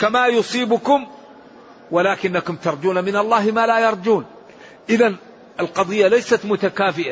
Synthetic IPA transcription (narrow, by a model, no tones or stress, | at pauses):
kamajʊsˤiːbʊkʊm | walaːkɪnːakʊmt̪ɑɾˤd͡ʒuːnamɪnɑlˤːɑːɦmaːlaːjɑɾˤd͡ʒuːn | ʔɪðan | ɪlqɑd̪ˤɨjːalajsat̪mʊt̪akaːfɪʔa